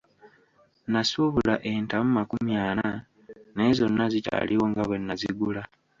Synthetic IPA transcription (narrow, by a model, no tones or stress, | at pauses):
nasuβulaʔentamumakumjaːna | ne̞ːzo̞nːazica̰liwoŋɡaβwe̞nːazḭɡula